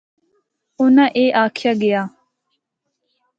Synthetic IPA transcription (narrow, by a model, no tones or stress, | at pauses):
ʊnãʔeːʔaːkʰjaɡɪjaː